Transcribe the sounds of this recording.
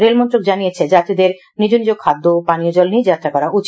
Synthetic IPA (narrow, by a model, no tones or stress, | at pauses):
ɾelmɔnt̪ɾok̚d͡ʑanijet͡ɕʰed͡ʑat̪id̪eɾ | nid͡ʑonid͡ʑokʰːad̪ːopaniod͡ʑɔlnid͡ʑat̪ːɾakɔɾaʔut͡ɕ